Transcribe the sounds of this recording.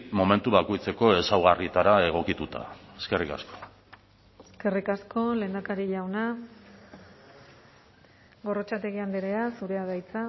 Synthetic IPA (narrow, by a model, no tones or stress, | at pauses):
mo̞me̞nt̪uβako̞jt͡se̞ko̞e̞sawɣ̞arit̪aɾae̞ɣ̞o̞kit̪ut̪a̰e̞ske̞rika̰sko̥ | eske̞rikasko̞le̞ːnd̪akaɾiʎawna | ɡo̞ro̞t͡ʃat̪e̞ɣiand̪eɾeasuɾe̞að̞ajt͡sa